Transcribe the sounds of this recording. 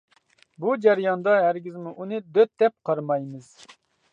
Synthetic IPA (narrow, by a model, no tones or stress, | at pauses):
bud͡ʒæɾjɑnd̪ɑɦæɾɡʲɪzmuʔunɨd̪øt̪̚d̪ɛp̚qʰɑɾmɑjmɨz̥